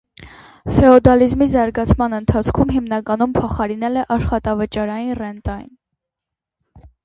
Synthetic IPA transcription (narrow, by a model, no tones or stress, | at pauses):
fɛɔd̪ɑlizmizɑɾɡɑt͡sʰmɑnənt̪ʰɑt͡sʰkʰumɦimnɑkɑnumpʰɔχɑɾin̪ɛlɛʔɑʃχɑt̪ɑvət͡ʃɑɾɑjinrɛnt̪ɑjḭn